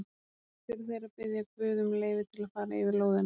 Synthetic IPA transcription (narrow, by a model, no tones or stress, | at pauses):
fɪɾθejɾapɪðjakvʏːðʏmleːjvɪt̪ʰɪlaðfaːɾaɪvɪɾloːwðɪn